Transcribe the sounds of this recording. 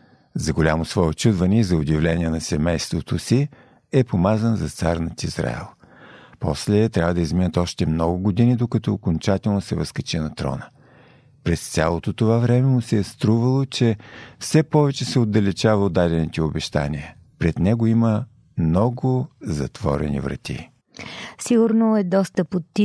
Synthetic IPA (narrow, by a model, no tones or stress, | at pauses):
zɐɡolʲamosvɔɛott͡ʃud̪vɐniɛzɐod̪ʲivlɛnʲiɛnɐsɛmɛjst̪vot̪osi | ɛpomazənzɐt̪saɾnət̪izɾa̰ɛ̰lˠ | pɔslɛt̪ɾʲavəd̪əizminət̪ɔʃt̪ɛmnɔɡʊɡod̪inid̪okɐt̪ɔokont͡ʃat̪ɛlˠnosɛvɐskɐt͡ʃɛnɐt̪ɾɔ̰nə | pɾɛst̪sʲalˠot̪ot̪ovavɾɛmɛmusɛst̪ɾuvəlˠot͡ʃɛfsɛpɔvɛt͡ʃɛsɛod̪ːɐlɛt͡ʃavəod̪ːad̪ʲɛnit̪ʲɛobɛʃt̪a̰nʲiə | pɾɛd̪nɛɡoimə | mnɔɡʊzɐ̰t̪v̥ɔ̰ɾɛ̰nḭvɾɐ̰t̪ḭ | siɡʊɾnoɛd̪ɔst̪əpot̪ːi